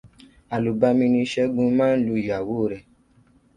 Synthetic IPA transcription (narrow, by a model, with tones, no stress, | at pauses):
a˨lu˨ba˧mĩ˧nĩ˧ʃɛ˦ɡũ˧˦mãː˦n̩˦lu˧˨ja˨woː˦˨ɾɛ˨